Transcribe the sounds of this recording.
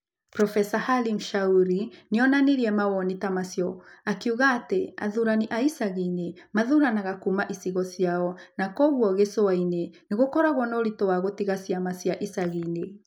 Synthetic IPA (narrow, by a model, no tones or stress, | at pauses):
pɾɔfɛsahalimʃauɾineɔnaneɾiɛmawɔnitamasjɔakiuɣaːtea̰ðuɾaniʔaisaɣinemaðuɾanaɣakumaʔisiɣɔsiaɔnakɔɣwɔɣesoaineneɣokɔɾaɣwɔnɔɾitoaɣotiɣasiamasiaʔisaɣine